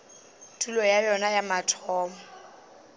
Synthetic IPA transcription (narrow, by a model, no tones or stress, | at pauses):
tʰulɔjajɔnajamatʰɔːmɔ